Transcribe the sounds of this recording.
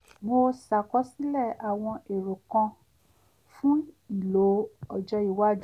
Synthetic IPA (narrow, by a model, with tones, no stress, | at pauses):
mo˧sa˨kɔ˨˦si˦lɛ˦˨a˨w̃ɔ̃˧e˨ɾo˨kã˧ | fũ˦i˦˨lo˨˦ɔ˨d͡ʒɔ˧˦i˨wa˦d͡ʒ